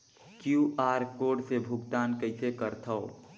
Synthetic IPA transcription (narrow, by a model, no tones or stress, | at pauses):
kjuʔaːɾkoːɾɖsebʱʊɡt̪aːnkəɪsekəɾt̪ʰəo